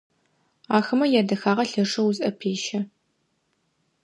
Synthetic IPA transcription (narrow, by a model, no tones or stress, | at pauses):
aːxɨmɐjɛdɐxaːʁɐɬɐʂɐwuzʼʔɐpʰeːʃɐ